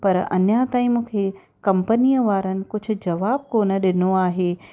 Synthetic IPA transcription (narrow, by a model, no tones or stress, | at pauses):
pɐɾɐ̰njat̪ãːĩmũːkʰe | kɐ̃mpənijəʋaːɾənɪ̆kʊd͡ʑʱʊ̆d͡ʑɐʋaːb̚koːnəɗɪnoaːɦeː